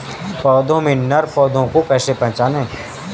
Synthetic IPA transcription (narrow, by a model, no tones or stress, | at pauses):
pɔːd̪õmẽnːəɾpɔːd̪ʱõkopɛːsepɐ̃nt͡ʃaːnɦẽː